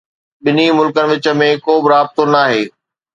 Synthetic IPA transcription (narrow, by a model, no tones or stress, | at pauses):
ɓɪnimʊlkənɪ̆ʋɪt͡ɕə̆mẽkoːbɪɾaːb̚t̪onaːɦeː